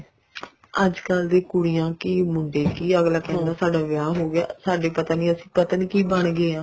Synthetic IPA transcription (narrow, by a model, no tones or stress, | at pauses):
əd͡ʒkəld̪eːkʊɽijãːkiːmʊɳɖeːkiːəɡlaːkɛ̃ːd̪aːsaːɖaːʋɪjaːɦoːɡɪa̰ːsaːɖeːpət̪aːnĩːəsĩ̥ːpət̪aːnĩːkiːbəɳɡeːãː